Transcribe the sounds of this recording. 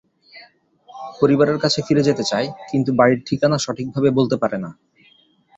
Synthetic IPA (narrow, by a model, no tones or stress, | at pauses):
poɾibaɾeɾkat͡ɕʰefiɾed͡ʑet̪et͡ɕaekint̪ubaiɾʈʰikanaʃɔʈʰik̚bʱabebolt̪epaɾena